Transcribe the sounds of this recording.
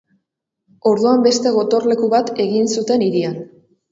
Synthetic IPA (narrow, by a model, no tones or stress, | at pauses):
o̞ɾðuambe̞st̪e̞ɣ̞o̞t̪o̞rle̞kuβat̪e̞ɣinsut̪e̞niɾian